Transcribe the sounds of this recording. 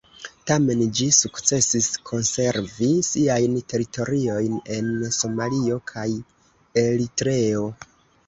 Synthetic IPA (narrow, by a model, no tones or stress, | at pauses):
tame̞nd͡ʒisukt͡se̞siskʰo̞nse̞ɾvisiajnte̞ɾitʰo̞ɾio̞jne̞nso̞malio̞kʰaj | e̞litɾe̞o̞